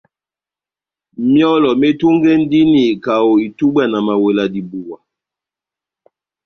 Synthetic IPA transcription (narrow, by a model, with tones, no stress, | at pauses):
mjɔ˦lɔ˨me˦tu˦ŋɡe˦n̩˦di˦ni˨ka˨wo˨i˨tu˦bwa˦na˨ma˨we˨la˨di˨bu˨wa˨